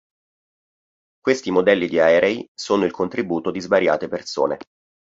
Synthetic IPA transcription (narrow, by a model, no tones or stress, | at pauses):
kwest̪imod̪ɛlːid̪iaɛːɾʔeisoːnoilkʰont̪ɾibuːt̪od̪izvaɾja̰ːt̪eperso̰ːne